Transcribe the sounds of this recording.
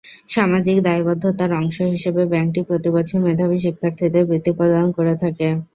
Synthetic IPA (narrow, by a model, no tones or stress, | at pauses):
ʃamad͡ʑikd̪aibɔd̪ʱːot̪aɾɔŋʃoɦiʃebebɛŋʈipɾot̪iboʃʰemed̪ʱabiʃ̬ikʰːaɾt̪ʰit̪ebɾit̪ːipɔd̪aonkoɾet̪ʰake